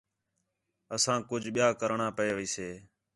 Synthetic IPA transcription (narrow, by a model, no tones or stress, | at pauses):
əsãːkʊd͡ʒʱɓɪjaːkəɾɳaːpəeːʋiːseː